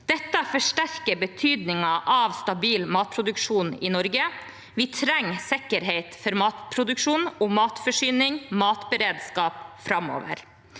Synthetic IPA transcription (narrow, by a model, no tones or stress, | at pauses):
d̪̥ɛt̪ːəfɔʂʈæɾkəɾbət̪ʰyːd̪nɪŋɑʔɑʋst̪ɑbiːlmɑːt̪̚pʰɾʊd̪ʉkʂuːnɪnɔɾɡə | ʋɪt̪ʰɾɛŋːsɪkːəɾɦeɪt̪fɔɾmɑːt̪pʰɾʊd̪ʉkʂuːnɔmɑːt̪fɔʂyːnɪŋmɑːt̪bəɾeːd̪skɑːpfɾɑmo̰ːʋə̰ɾ